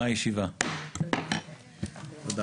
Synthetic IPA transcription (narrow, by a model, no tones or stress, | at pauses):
ajeʃiva | d̪